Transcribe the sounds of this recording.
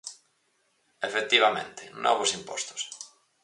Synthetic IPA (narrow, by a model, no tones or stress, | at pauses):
efek̚t̪iβamḛ̃nt̪enɔ̰βosimpɔst̪o̥s